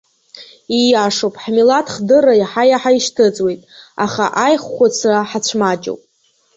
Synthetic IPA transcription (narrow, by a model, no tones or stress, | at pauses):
ijaʂowpʼħmilatʰχdɨrajaħajaħaiʃtʰɨt͡sʼwe̞jtʼa̰χa̰ʔajχːʷat͡sʰraħat͡ɕʷʰmat͡ʃʼo̰wpʼ